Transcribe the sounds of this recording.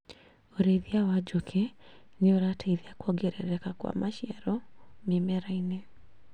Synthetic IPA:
oɾeðjawad͡ʒokʰenɪoɾataiðjakwɔɡeɾɛ̰ɾɛkakwa̰maʃɪɛɾɔmɪmɛɾaine

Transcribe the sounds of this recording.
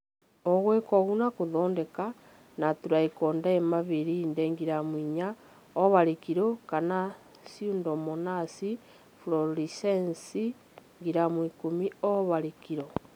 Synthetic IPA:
oɣwekoɣunakuðondeka | natuɾaikondaemaβiɾiːndeŋɡiɾamwiɲa | oβaɾekiɾokana | siundomonasi | fuloɾisensi | ŋɡiɾamwikumioβaɾekiɾo

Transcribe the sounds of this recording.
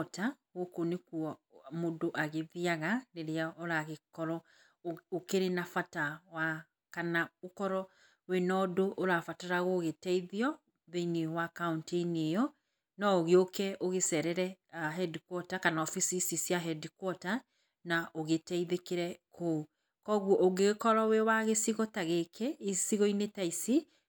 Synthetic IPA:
ta | ɣokonekuɔmodoʔaɣeðiaɣaneɾeaoɾaɣekɔɾɔ | okeɾenafatawa | kanaokɔɾɔ | wenɔːdoʔoɾafataɾaɣoɣetɛiðiɔ | ðeinewakauntenejɔ | nɔoɣeokɛʔoɣesɛɾɛɾɛ | aɦɛdikwɔtakanaɔfisisisiaɦɛdikwɔta | naʔoɣetɛiðekeɾɛkʰo | kɔɣuɔʔoɡeɣkɔɾɔwewaɣesiɣɔtaɣekʰeisiɣɔinetaisi

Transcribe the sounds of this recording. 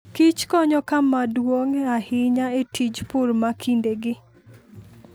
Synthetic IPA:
kit͡ʃkɔɲɔkamadwoŋahɪɲaetʰid͡ʒpʊɾmakʰindeɡɪ

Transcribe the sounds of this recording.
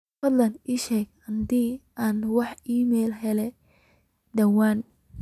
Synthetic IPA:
ɐd̪lɐniːʃɛːɡ | ɐnd̪iːaːnwɑħiːmɛjlɦɛlɛ | d̪ɐwaːn

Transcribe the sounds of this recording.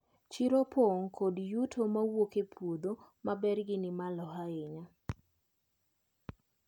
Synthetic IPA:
t͡ʃiɾopoŋkʰodjutʰomawokepʰwod̪omabɛrɡɪnɪmalɔɦaɪɲa

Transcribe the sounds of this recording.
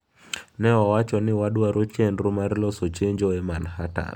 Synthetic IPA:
nɛawat͡ʃɔnɪwadwaɾot͡ʃenɾumaɾlɔsot͡ʃeɲd͡ʒoɛmanhata̰n

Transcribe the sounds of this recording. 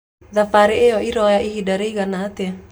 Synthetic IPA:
ðafaɾeeɔiɾɔjaʔiɦidaɾeiɣanat̪ea

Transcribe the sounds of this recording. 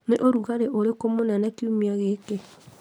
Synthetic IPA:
neʔoɾuɣaɾeʔoɾekomonɛnɛkiumiaɣeke

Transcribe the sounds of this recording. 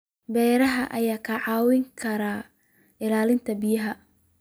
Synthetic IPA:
bɛːɾɐɦɐʔɐjaːkʰɐʕɑːwɪŋkʰɐɾaː | ɪlaːlɪnt̪ʰɐbɪjɐɦɐ

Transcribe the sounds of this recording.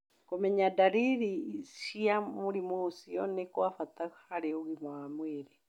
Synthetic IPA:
komɛɲadaɾiɾiʃiamuɾimuusiɔnekwafat̪aɣhaɾeuɣimwamwiɾi

